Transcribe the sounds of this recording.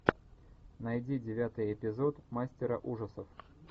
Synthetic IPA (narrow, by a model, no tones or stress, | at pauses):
nɐjdʲidʲɪvʲat̪ɨjɪpʲɪzo̞t̪masʲtʲɪɾə̰ʔuʐəsəf